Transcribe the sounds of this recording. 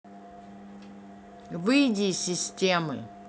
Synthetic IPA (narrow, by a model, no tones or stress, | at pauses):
vɨjdʲisʲɪsʲtʲemɨ̰